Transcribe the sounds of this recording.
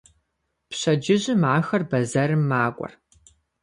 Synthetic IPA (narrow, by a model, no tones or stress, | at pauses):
pɕɐd͡ʒɪʑɪmaːxɐrbɐzɐɾɨmːaːkʷʼɔ̰r